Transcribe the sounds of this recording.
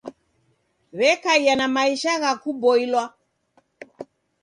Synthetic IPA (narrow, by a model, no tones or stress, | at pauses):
βɛkaijanamaiʃaɣakubɔilwa